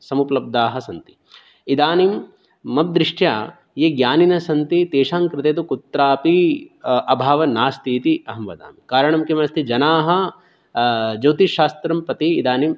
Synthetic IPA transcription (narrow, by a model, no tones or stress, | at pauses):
sɐmuplɐb̚d̪aːɦɐsɐnt̪i̥ | id̪aːnim | mɐp̚d̪ɾiʂʈjaː | jeɡjaːninɐsɐnt̪it̪eːʃaːŋkɾɪt̪eːt̪ukut̪ːɾaːpi | ɐbʱaːʋɐnaːst̪ʰiːt̪iʔɐɦɐmʋɐ̰d̪a̰ːmikaːɾɐɳɐmkimɐɐst̪ʰid͡ʒɐnaːɦɐ̆ | d͡ʒɐwt̪iʃaːst̪ɾɐmpɐt̪iːd̪aːnim